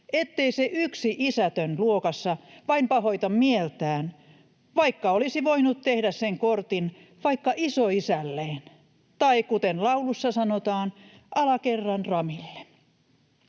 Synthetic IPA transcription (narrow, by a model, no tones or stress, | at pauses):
ʔet̪ːeiseʔyksiʔisæt̪ønluokɑsːɑʋɑimpɑhoit̪ɑmmielt̪æːn | ʋɑikːɑolisiʋoinut̪t̪ehdæsseŋkort̪in | ʋɑikːɑʔisoisælːeːn | t̪ɑikut̪enlɑulusːɑsɑnot̪ɑːn | ʔɑlɑkerːɑnrɑmilːe̥